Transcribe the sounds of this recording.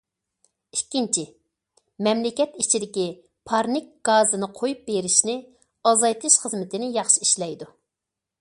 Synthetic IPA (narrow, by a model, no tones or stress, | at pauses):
ikʲːint͡ʃʰi | mɛmlɪkʲɛt̪it͡ʃʰid̪ɪkʲi | pʰɑɾnɪk̚ɡ̥ɑːzɨnɨqʰojup̚beɾɪʃnɪ | ɑzɑjt̪ʰɨʃχəzmɪt̪ʰɪnɪjɑχʃiiʃlɛjd̪u